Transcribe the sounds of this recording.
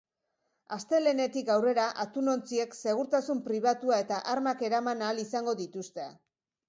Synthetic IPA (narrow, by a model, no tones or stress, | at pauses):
ast̪e̞le̞ne̞t̪ikawre̞ɾaʔat̪uno̞nt͡sie̞kse̞ɣ̞uɾt̪asumpɾiβ̞at̪uae̞t̪aʔaɾmake̞ɾamanaːlisaŋɡo̞ðit̪ust̪ea